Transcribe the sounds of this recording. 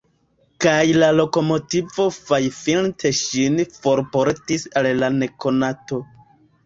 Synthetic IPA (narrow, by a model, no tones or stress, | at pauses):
kajlalo̞ko̞mo̞tivo̞fajfiltʰeʃinfo̞ɾpoɾtisalːane̞ko̞nato̞